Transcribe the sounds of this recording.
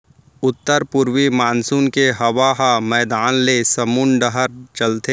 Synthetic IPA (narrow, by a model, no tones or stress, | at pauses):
ʊt̪ːəɾpʊɾwimaːnsuːnkeɦɐʋaɦamɛːd̪aːnlesɐmuːnɖəɦəɾt͡ʃɐlt̪e